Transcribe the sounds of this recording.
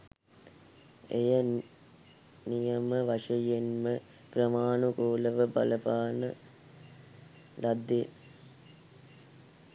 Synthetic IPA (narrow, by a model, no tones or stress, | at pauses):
ḛjə | nijəməʋaʂɐjenmə | ɡ̥ɾəmaːnukoːləʋəbɐ̰ləpaːnə | lad̪ːe